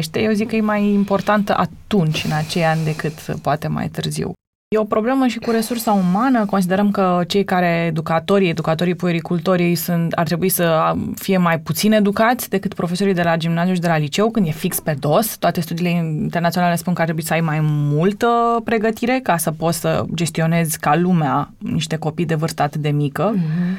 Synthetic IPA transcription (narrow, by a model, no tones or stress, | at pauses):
ʃt̪eje̞wzikːəjemajimpo̞rt̪ant̪əʔa̰t̪unt͡ʃʲɨnat͡ʃe̞janʲd̪e̞kɨt̪poat̪e̞ma̰jt̪ɨrzḭw | je̞o̞pɾo̞ble̞məʃikuɾe̞sursəumanəko̞ns̬id̪eɾəmkət͡ʃe̞jkaɾe̞ːd̪ukat̪o̞ɾie̞d̪ukat̪o̞ɾipueɾikult̪o̞ɾiejsunt̪a̰rt̪ɾe̞buisəfije̞majput̪sine̞d̪ukat̪sʲd̪e̞kɨt̪pɾo̞fe̞so̞ɾijd̪e̞lad͡ʒimnazijuʃ̬id̪elalit͡ʃe̞wkɨnd̪je̞fikspe̞d̪o̞st̪oat̪e̞st̪ud̪iːle̞int̪ernat̪sijonale̞spunkəaɾt̪ɾebuisəajmajmult̪əpɾe̞ɡət̪iɾe̞kasəpo̞t̪ssə̰d͡ʒe̞st̪io̞ne̞zʲkalumeaniʃt̪e̞ko̞pijd̪e̞vɨrst̪əat̪ɨt̪d̪e̞mikə